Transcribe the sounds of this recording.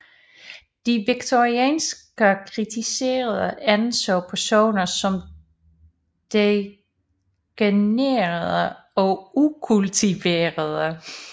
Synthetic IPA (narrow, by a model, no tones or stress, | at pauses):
d̥iʋiɡ̥t͡sʰoʁiɛ̰ːnsɡ̥əkʰʁit͡sʰise̝̰ːɐð̞ˠəænsɒ̰ːpʰæɐso̝̰ːnɐsɒ̽m | d̥e | ɡ̥eneːɐðˠə | ɒ̽ukʰult͡sʰiʋeːɐðˠə